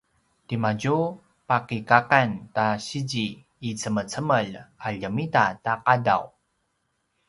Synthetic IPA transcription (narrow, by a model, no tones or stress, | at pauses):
timaɟu | pakikakantaɕid͡ʑiː | t͡səmət͡səməlaʎəmitataqada̰w